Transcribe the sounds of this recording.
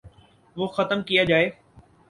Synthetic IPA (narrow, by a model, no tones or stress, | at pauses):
ʋoːxɐt̪əmkijad͡ʒaːeː